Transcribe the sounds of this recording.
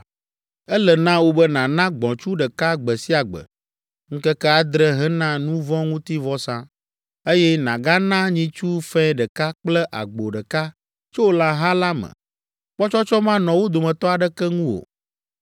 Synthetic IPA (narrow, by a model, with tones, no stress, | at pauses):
ɛ˦lə˨nã˦wo˦bə˦nã˨nã˦ɡ͡bɔ̃˨t͡ʃu˦ɖɛ˨ka˦ɡ͡bə˨si˦a˨ɡ͡bə̰˨ | ŋ̩˦kɛ˦kɛ˦a˨d̪ɾə˦ɦɛ˦nã˦nũ˦vɔ̃˦ŋũ˦t̪i˦vɔ˦sã˦ | e˦jɛ˦nã˨ɡa˦nã˦ɲĩ˦t͡ʃu˦fɛ̃˦ɖə˨ka˦k͡plɛ˦ʔa̰˨ɡ͡bo˨ɖə˨ka˦ | t͡ʃo˦wo˦la˦ɦã˦la˦mə̰̃˨ | k͡pɔ˦t͡ʃɔ˦t͡ʃɔ˦mã˦nɔ̃˨wo˦d̪o˨mɛ̃˨t̪ɔ˦a˨ɖɛ˦kɛ˦ŋũ˦o̰˨